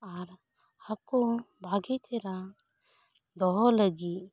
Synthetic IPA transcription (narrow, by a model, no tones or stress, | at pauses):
aɾ | akubʱaɡit̪ʰɛɾa | d̪ɔɦɔləɡi